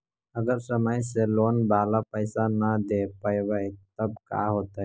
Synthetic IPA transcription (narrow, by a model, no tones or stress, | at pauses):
əɡəɾsəməjseloːnbaːlapəɪsanəd̪epəjʋəjt̪əb̚ka̰ɦoːt̪a